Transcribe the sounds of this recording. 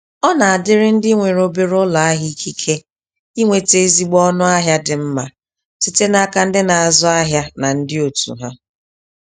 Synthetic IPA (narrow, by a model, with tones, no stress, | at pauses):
ɔ˦na˨a˨dɪ˦ɾɪ˦n̩˦di˦ŋʷe˨ɾo˦be˦ɾʊ˦la˨a˦ɦi˦i˦kʰi˦kʰe˦ | i˦ŋʷe˨te˨e˦zi˨ɡ͡bɔ˦nʊ˦a˦ɦja˦dɪ˨m̩˦ma˨ | si˦te˦na˦ka˦n̩˦dɪ˦na˨a˨zɔ˦a˦ɦja˦na˨n̩˦dɪ˦o˨tṵ˨ɦa˦